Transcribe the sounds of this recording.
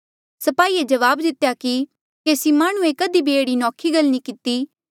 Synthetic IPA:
sɐpaːiːed͡ʒɐʋaːbd̪ɪt̪ːejaki | kesimaːɽ̃ũekəd̪ibʱieːɽinɔːkʰiɡəlnĩkɪt̪iː

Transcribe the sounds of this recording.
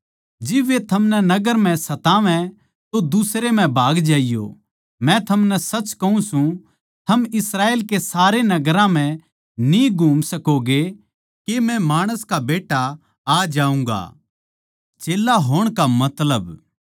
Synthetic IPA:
d͡ʒɪbːet̪ʰɐmnɛnɐɡəɾm̤ɛ̃sɐt̪aːʋɛ̃ | t̪od̪usɾemɛ̃bʱaːɡd͡ʒaːijo̰ | mɛ̃t̪ʰɐmnɛsɐt͡ʃkɐũsũ | t̪ʰɐmɪsɾaːeːlkesaːɾenɐɡəɾãm̤ɛ̃ | niɡʱuːmsɐkoɡe | kemɛ̃maːɽ̃əskabeːʈːa | aːd͡ʒaːũːŋɡa̰ | t͡ʃeːlaɦoːɽ̃kamɐt̪ləb

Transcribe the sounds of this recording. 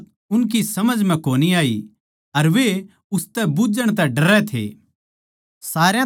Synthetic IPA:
ʊnk̬isɐməd͡ʒmɛ̃koːniaːḭ | ɐɾʋe | ʊst̪ɛbʊd͡ʒəɽ̃t̪ɛɖɐɾɛt̪ʰḛː | saːɾjã

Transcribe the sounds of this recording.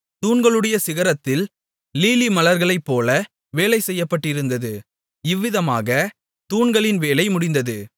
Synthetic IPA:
t̪uːɳɡɐɭɯɽɐjɐsɪɣɐɾɐt̪ːɪl | liːlimɐlɐɾɣɐɭɐɪpːoːlɐ | ʋeːlɐɪsɛjːɐpːɐʈːɪɾɯnd̪ɐðɯ | ɪʋːɪðɐma̰ːɣɐ | t̪uːɳɡɐɭɪnʋeːlɐɪmʊɽɪnd̪ɐðɯ

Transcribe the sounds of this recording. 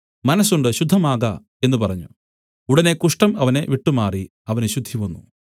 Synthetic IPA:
mɐnɐsːuɳɖɨɕud̪ʱːɐmaːɣɐ | e̞nːupɐrɐɲːu | uɽɐne̞kuʂʈɐmɐʋɐneʋiʈːumaːri | ɐʋɐneɕud̪ʱːiʋɐnːṵ

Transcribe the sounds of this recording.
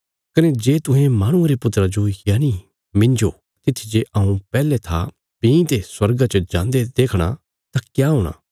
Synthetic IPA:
kɐned͡ʒeːt̪ʊ̃ɦẽmaːɽ̃ũaɾepʊt̪ɾad͡ʒojaːni | mɪ̃nd͡ʒo | t̪ɪt̪ʰid͡ʒeʔɐũpɛːlet̪ʰa | pĩĩt̪eswɐɾɡat͡ʃəd͡ʒãːnd̪ed̪eːkʰɽ̃a̰ | t̪akjaɦoːɽ̃a̰ː

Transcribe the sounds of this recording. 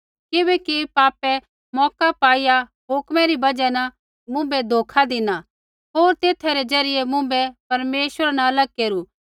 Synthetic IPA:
kɪbɛkipaːpɛ | mɔːkapaːija | ɦʊkmɛ̃ɾibɐd͡ʒɛnɐ | mʊ̃bɛd̪ʱoːkʰad̪ɪna | ɦoːɾt̪eːt̪ʰɛɾɛd͡ʒɐɾɪjemʊ̃bɛpɐɾmeːʃwəɾanaɐləɡ̚keːɾuː

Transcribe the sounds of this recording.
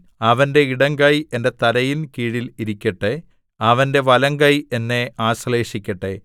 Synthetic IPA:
ɐʋɐnde̞iɽɐŋkɐje̞nde̞t̪ɐɾɐjinkiːɻiliɾikʲːɐʈːe | ɐʋɐnde̞ʋɐlɐŋɡɐje̞nːe̞aːsle̞ːʂikʲːɐʈːe

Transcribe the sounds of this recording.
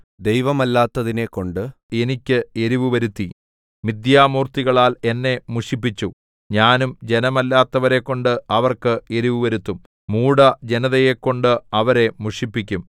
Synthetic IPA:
d̪ejʋɐmɐlːaːt̪ːɐðinekːo̞ɳɖɨ | e̞nikʲːɨe̞ɾiʋuʋɐɾut̪ːi | mid̪jaːmuːrt̪iɣɐɭaːle̞nːe̞muʂip̬ːit͡ɕːu | ɲaːnumd͡ʑe̞nɐmɐlːaːt̪ːɐʋɐɾe̞kːo̞ɳɖɨɐʋɐrkɨe̞ɾuʋɨʋɐɾut̪ːum | muːɽɐd͡ʑe̞nɐðɐjekːo̞ɳɖɨɐʋɐɾe̞muʂipːikʲːum

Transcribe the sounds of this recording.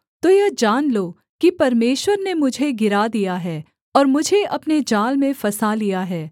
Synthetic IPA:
t̪oːjɛd͡ʒaːnloː | kipɐɾmeːʃwəɾnemʊd͡ʒʱeɡɪɾad̪ijaɦɛː | ɔːɾmʊd͡ʒʱeʔɐpned͡ʒaːlmẽfɐsalijaɦɛː

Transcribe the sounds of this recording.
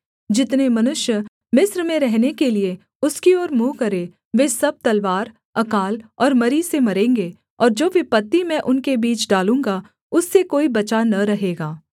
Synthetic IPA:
d͡ʒɪt̪nemɐnʊʃjə | mɪsɾmẽɾɛɦnekelie | ʊskiɔːɾmuːkɐɾe | ʋeːsɐb̚t̪ɐlʋaːɾ | ɐkaːlɔːɾmɐɾisemɐɾẽːŋɡe | ɔːɾd͡ʒoːʋɪpɐt̪ːimɛ̃ʔʊnkebiːt͡ʃɖaːlũːŋɡa | ʊsːekoːibɐt͡ʃanɐɾɐɦeːɡaː

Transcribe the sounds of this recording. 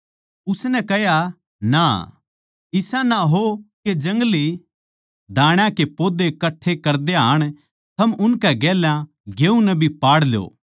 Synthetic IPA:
ʊsnɛkɛɦja | na̰ | ɪsãnaɦoked͡ʒɐ̃ŋɡli | d̪aːɽ̃jãkepoːd̪ekɐʈʰːekɐɾd̪eɦa̰ːɽ̃ | t̪ʰɐmʊnkɛɡɛːljã | ɡeːũnɛbʱipaːɽljo̰ː

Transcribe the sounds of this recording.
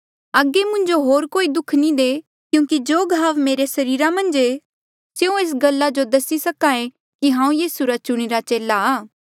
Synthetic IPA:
əɡːemʊ̃ɲd͡ʒoɦoːɾkoːid̪ʊkʰnid̪eː | kjũːkid͡ʒoːɡʱaːʋmeːɾesɐɾiːɾamɐ̃nd͡ʒe | t͡ʃeːũeːs̬ɡɐlːad͡ʒod̪ɐsisɐkãːẽ | kiɦãːũjiːsuɾat͡ʃʊɽ̃iɾat͡ʃeːlaaː

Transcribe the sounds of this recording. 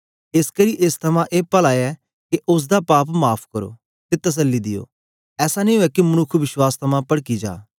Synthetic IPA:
ɪskəɾiːʔɪst̪ʰɐmãʔeːpəlaːjɛ | keʔʊs̬d̪aːpaːpmaːpʰkɐɾo̰ː | t̪et̪ɐs̬əlːid̪ɪjo̰ː | ɛːsañĩuɛkimɐnʊkʰːʋɪʃwaːst̪ʰɐmãpɐɽkid͡ʒa̰ː

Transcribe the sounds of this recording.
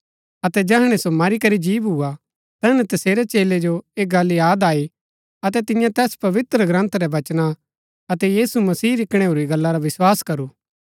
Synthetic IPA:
ɐt̪ɛd͡ʒɛːɦɽ̃esomaːɾikɐɾid͡ʒiːʋɦua | t̪ɛːnɛt̪ɐseːɾet͡ʃeːled͡ʒoeːɡaːlːijaːd̪aːi | ɐt̪ɛt̪ɪ̃jãt̪ɛːspɐʋɪt̪ɾəɡɾə̃nt̪ʰɾɛʋɐt͡ʃna | ɐt̪ɛjiːsumɐsiːɾɪkɽ̃eɦuːɾiɡɐlːaɾaʋɪswaːskɐɾuː

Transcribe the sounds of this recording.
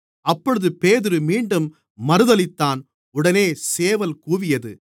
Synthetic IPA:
ɐpːɔɻɯðɯpeːðɪɾɯmiːɳɖɯmː | ɐɾɯðɐlɪt̪ːaːn | ʊɽɐneːseːʋɐlkuːʋɪjɐðɯ̰

